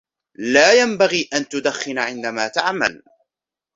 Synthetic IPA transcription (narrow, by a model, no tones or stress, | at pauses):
laːjambaɣiːʔant̪ʊd̪axːɪnʕɪnd̪amaːt̪aʕma̰l